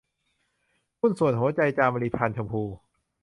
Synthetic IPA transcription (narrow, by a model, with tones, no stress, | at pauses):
pʰu˥˩nsu˨˩ənɦu˩˦ɐt͡ɕa˧jt͡ɕaː˧mba˧li˧pʰaː˧nt͡ɕʰa˧mpʰuː˧